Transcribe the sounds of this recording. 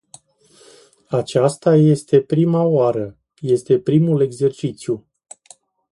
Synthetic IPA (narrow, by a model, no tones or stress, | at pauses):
at͡ʃast̪aje̞st̪e̞pɾimaoaɾə | je̞st̪e̞pɾimule̞ɡze̞rt͡ʃit̪sju